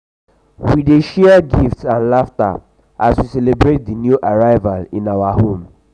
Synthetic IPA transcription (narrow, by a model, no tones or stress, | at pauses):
wideʃɛɡiftsãnlafta̰ | ʔaswiselebɹet̚dinjuʔaɹaɪvalĩnawahõm